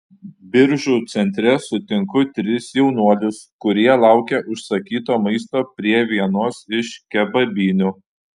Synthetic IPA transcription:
bʲɪɾʲʒuːˑt̪sʲɛnʲt̪ʲɾʲɛsʊt̪ʲɪŋkʊt̪ʲɾʲɪsjɛʊnuɔlʲʊskʊɾʲiɛlˠɑˑʊkʲɛʔʊʃsɐkʲiːt̪oːmɐɪst̪oːpʲɾʲiɛʋʲiɛnuɔsɪʃkʲɛbɐbʲiːnʲʊ

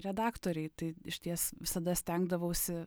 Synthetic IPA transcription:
ɾʲɛd̪ɑːkt̪oːɾʲɛɪt̪ɐɪɪʃʲt̪ʲiɛsʋʲɪsɐd̪ɐsʲt̪ʲɛŋɡd̪ɐʋɐʊsʲɪ

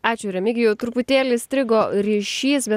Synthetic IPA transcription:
ɑːt͡ʃʲʊɾʲɛmʲɪɡʲɪjɛt̪ɾʊpʊt̪ʲeːlʲɪsʲt̪ʲɾʲɪɡoːɾʲiːʃʲiːsbʲɛ

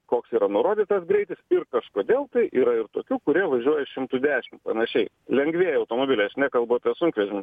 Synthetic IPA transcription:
koːksiːɾɐnʊɾoːd̪ʲiːt̪ɐsɡɾʲɛɪt̪ʲɪsɪrkɐʃkoːd̪ʲeːlˠt̪ɐɪiːɾɐɪrt̪oːkʲuːkʊɾʲiɛʋɐʒʲuɔjɛʃʲɪmt̪uːd̪ʲæːʃʲɪmtpɾɐnʲɐʃʲɛɪ | lʲɛŋɡʋʲeːjɛɐʊt̪oːmoːbʲɪlʲɛɪɐʃnʲɛkɐlˠbɐɐpʲiɛsʊŋkʲʋʲɛʒʲɪm

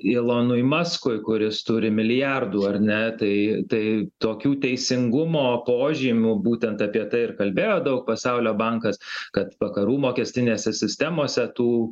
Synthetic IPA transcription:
ɪlˠoːnʊɪmɑskʊɪkʊɾʲɪst̪ʊɾʲɪmʲɪlʲɪjærd̪uːɐɾʲnʲɛt̪ɐɪt̪ɐɪt̪oːkʲuːt̪ʲɛɪsʲɪŋɡʊmoːpoːʒʲiːmʲubuːt̪ʲɛnt̪ɐpʲiɛt̪ɐɪɪrkɐlʲbʲeːjoːd̪ɐʊk̚pɐsɐʊlʲoːbɐŋkɐskɐt̪ʋɐkɐɾuːmoːkʲɛsʲt̪ʲɪnʲeːsʲɛsʲɪsʲt̪ʲæmoːsʲɛt̪uː

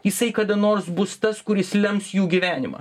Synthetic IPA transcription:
jɪsɐɪkɐd̪ɐnoːrsbʊst̪ɐskʊɾʲɪslʲɛmsjuːɡʲiːʋʲæːnʲɪmɐ̰ː

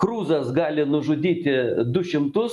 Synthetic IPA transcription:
kɾuːzɐsɡɑːlʲɪnʊʒʊd̪ʲiːt̪ʲɪd̪ʊʃʲɪmt̪ʊs

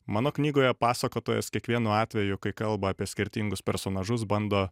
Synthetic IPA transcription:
mɑːnoːknʲiːɡoːjɛpɑːsɐkoːt̪oːjɛ̰skʲiɛkʋʲiɛnuːɑːt̪ʲʋʲɛjʊkɐɪkɐlˠbɐːpʲiɛsʲkʲɪɾʲt̪ʲiŋɡʊspʲɛɾsoːnɑːʒʊs̬bɐnd̪oː

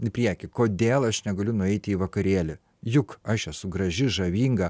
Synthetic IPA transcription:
ɪpʲɾʲiɛkʲɪkoːd̪ʲeːlˠɐʃnʲɛɡɐlʲʊnʊɛɪt̪ʲɪiːʋɐkɐɾʲeːlʲɪ | jʊkɐʃɛsʊɡɾɐʒʲɪʒɐʋʲiːŋɡɐ

